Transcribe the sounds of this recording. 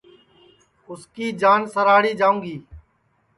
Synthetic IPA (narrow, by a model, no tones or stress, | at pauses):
ʊskiːd͡ʒaːnsəɾaːɽiːd͡ʒaːũːŋɡiː